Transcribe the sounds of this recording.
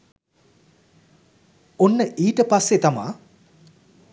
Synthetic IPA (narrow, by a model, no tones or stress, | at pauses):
onːəʔiːʈəpasːet̪ama̰ː